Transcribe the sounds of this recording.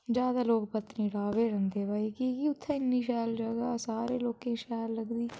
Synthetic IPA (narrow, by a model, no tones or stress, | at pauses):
d͡ʒjaːd̪aːloːkpət̪ːnĩːɖaːʋeːɾə̃nd̪eːbaːiːkikiʊt̪ʰːẽːɪnːiːʃaːld͡ʒəɡaːsaːɾeːloːkẽːʃɛːlːəɡd̪iː